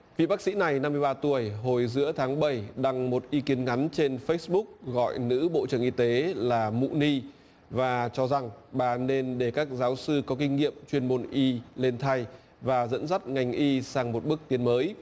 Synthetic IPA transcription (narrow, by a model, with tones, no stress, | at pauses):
vḭ˧˨ɓaː˦˥k̚sḭ˧˥na˨˩jna˧mːɨ˧əjɓaː˧t̪u˨˩əjɦo˨˩jzɨ̰˧˥ət̪ʰaː˨˦ŋɓə˧˩jɗa˧ŋmo˨˩t̚ʔi˧ki˨˦ənŋa˨˦nt͡ɕe˧nfə˦˥ɓʊ˦˥k̚ɣɔ̰˧˨jnɨ̰˧˥ɓo̰˧˨t͡ɕɨ˧˩əŋʔi˧t̪e˨˦laː˨˩mṵ˧˨ni˧ | vaː˨˩t͡ɕɔ˧za˨˩ŋɓaː˨˩ne˧nɗe˧˩kaː˦˥k̚zaː˨˦wsɨ˧kɔ˨˦kï˧ŋ̟ŋḭ˧˨əmt͡ɕwi˧ənmo˧˩nʔi˧le˧nt̪ʰa˧j | vaː˨˩zə̰˧˥nzə˦˥t̚ŋa˨˩jŋ̟ʔi˧saː˧ŋmo˨˩t̚ɓɨ˦˥ək̚t̪i˨˦ənməː˨˦j